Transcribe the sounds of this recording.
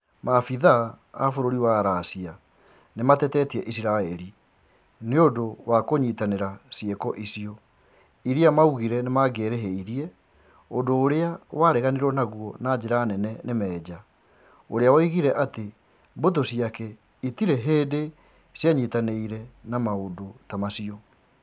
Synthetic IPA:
mafiðaː | foɾoɾiwaɾasia | nematɛtɛtiɛʔisiɾaɛɾi | neodowakoɲitaneɾasiekɔʔisiɔ | iɾiamauɣiɾɛnemaɡeːɾeɦeiɾiɛ | odoːɾeawaɾɛɣaneɾɔnaɣwɔnad͡ʑeɾaːnɛnɛnemɛːd͡ʑa | oɾeawaiɣiɾɛʔate | mbot̬osiakɛ | itiɾeɦeːde | sjaɲitaneiɾɛnamaodotamasiɔ

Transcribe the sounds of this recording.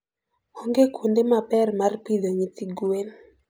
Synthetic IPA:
ɔŋɡekʰundemapɛrmarpidoŋit̪iɡuen

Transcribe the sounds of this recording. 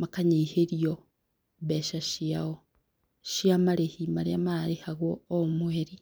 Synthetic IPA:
makaɲiheɾjo | βeʃaʃiao | ʃjamaɾehimaɾjamaɾehaɣwoːmweːɾi

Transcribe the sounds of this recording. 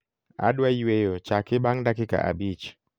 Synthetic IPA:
a̰dwaiwejot͡ʃakɪbaŋdakika̰ʔa̰bit͡ʃ

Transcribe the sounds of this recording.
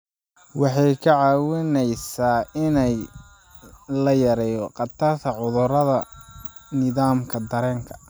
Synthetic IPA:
wɑħɑjkʰɐʕɑːwɪnɛjsaːɪnɛj | lɐjɐɾɛːjɔqɑt̪ʰɐrt̪ʰɐʕʊðʊɾɐðɐ | nɪðaːmkʰɐd̪ɐɾɛːŋkʰɐ̥

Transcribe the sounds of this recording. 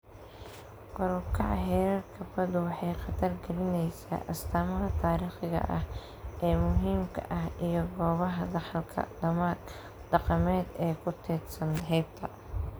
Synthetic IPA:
qʊɾʊkʰɐʕɦɛːɾɐrkʰɐfɐd̪ʊwɑħɑjqɑt̪ʰɐrɡɐlɪnɛjsa̰ːʔɐst̪ʰaːmɐɦɐt̪ʰaːɾiːχɪɣɐ̰ʔɐh | ʔɛːmʊɦiːmkʰɐ̰ʔɐhʔijɞɡɔːβɐɦɐðɑħɐlkʰɐ̰ɖɐmaːɡ | ɖ̥ɑqɑmɛːd̪ɛːkʰʊt̪ʰɛːd̪sɐnɦɛjb̚t̪ʰɐ

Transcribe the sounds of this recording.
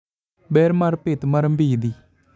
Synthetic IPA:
bɛːɾmɐɾpet̪mɐɾəmbiːd̪i

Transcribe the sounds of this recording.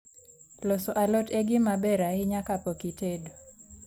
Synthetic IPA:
losɔʔalɔteɡɪmabɛɾaɪɲakapokitedo

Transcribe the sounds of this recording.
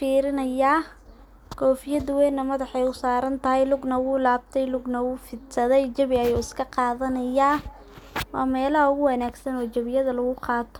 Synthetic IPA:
fiːɾɪnɐjaː | kʰɔːfɪjɐd̪wɛjnːɐmɐðɑħɛjʊsaːɾɐnt̪ʰɐɦɛjlʊɡnɐwʊːlaːb̚t̪ʰɛjlʊɡnɐwuːfɪd̪sɐðɛjt͡ʃɐβɪɐjuːɪskʰɐqɑːðɐnɐjaː | wɑ̰ːmɛːlɐhɐʊɣʊwɐnaːɡsɐnɔːt͡ʃɐβɪjɐðɐlɐɣʊqɑːt̪ʰɔ̥

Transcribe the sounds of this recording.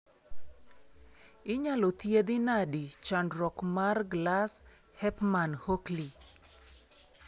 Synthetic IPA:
ɪɲalɔt̪jed̪ɪnadit͡ʃandɾɔkmarɡlas | hɛpmanhokli

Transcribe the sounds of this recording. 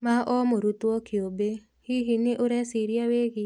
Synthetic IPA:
maʔɔmoɾut̪ɔkʰɪobe | hiɦinɪʔʊɾɛsiɾjaweɡɪ

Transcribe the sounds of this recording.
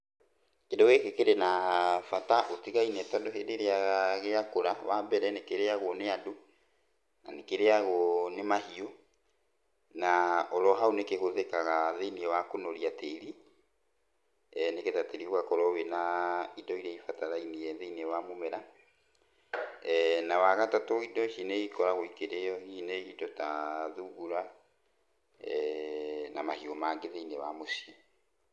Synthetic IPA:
kendɔɣekekeɾenafataʔotiɣainɛtɔndohedeɾeaɣeakoɾawambɛɾɛnekeɾeaɣoneado | nanekeɾeaɣonemahio | naɔɾɔɦaonekeɣoðekaɣaðeiniɛwakonoɾiateɾi | neketateɾihwakɔɾɔwenaidɔiɾaifataɾainijɛðeiniewamomɛɾa | nawaɣatatoidɔʃineikɔɾaɣoikeɾejɔhineidɔtaðuɣuɾa | namahiomaɡeðeinewamosiɔ

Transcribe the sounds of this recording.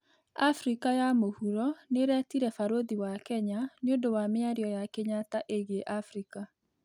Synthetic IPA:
afɾikajamohuɾɔneɾɛtiɾɛfaɾoðiwakɛɲaneondowameaɾiɔjakeɲataʔeɣeʔafɾika

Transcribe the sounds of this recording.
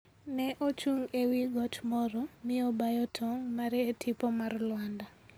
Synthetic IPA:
nɛʔot͡ʃuŋewiɡɔt͡ʃmɔɾɔmɪobajɔtʰɔŋmaɾetʰipɔmarlwanda

